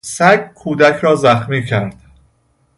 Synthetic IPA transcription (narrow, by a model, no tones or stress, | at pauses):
sæɡkʰuːd̪æcʰɾɒːzæxmiːcʰæɾd̪̥